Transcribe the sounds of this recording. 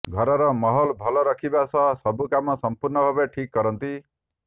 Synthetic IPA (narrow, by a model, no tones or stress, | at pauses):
ɡʱɔɾɔɾɔmɔɦɔlbʱɔlɔɾɔkʰibasɔsɔbukamɔsɔmpuɾnɔbʱɔbeʈʰikːɔɾɔnt̪i